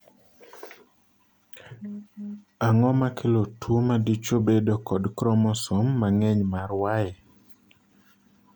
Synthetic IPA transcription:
aŋɔmakʰelotʰuomadit͡ʃobedokɔdkɾɔmɔsomːaŋɛɲmarwajɛ

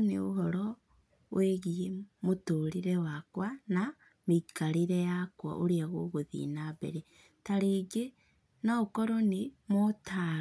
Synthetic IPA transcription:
nḛo̰ɦɔɾɔ | wʔeɣiemotoɾiɾewakwana | mikaɾiɾejakwa̰ʔoɾiaɣoɣoðḭnabḛɾe | taɾeːɡe | naokɔɾonemota

